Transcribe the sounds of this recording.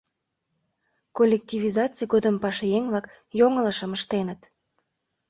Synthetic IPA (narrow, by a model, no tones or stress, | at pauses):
kolʲːek̚tʲivʲizɑt͡sɨjɡod̪əmpɑʃejeŋvlɑkjoŋələʃəməʃt̪enət̪